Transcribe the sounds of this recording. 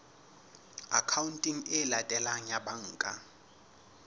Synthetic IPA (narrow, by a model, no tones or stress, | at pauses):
akʰauntʼiŋ̩ɛlatʼɛlaŋɲjaɓaŋ̩ːkʼa